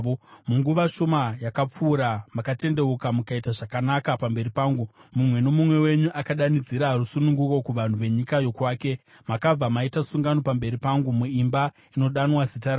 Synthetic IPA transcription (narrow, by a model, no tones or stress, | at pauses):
omuŋɡuʋaʃo̞majakap͡fuːɾamakate̞nde̞ukamukaitaʐakanakapambe̞ɾipaːŋɡumumwe̞no̞mumwe̞we̞ɲuʔakaɗanid͡ziɾarusunuŋɡuko̞kuʋan̤uʋe̞ɲikajo̞kwaːke̞ | makab͡vamaitasuŋɡano̞pambe̞ɾipaŋɡumuimba | ino̞ɗanwazitaɾa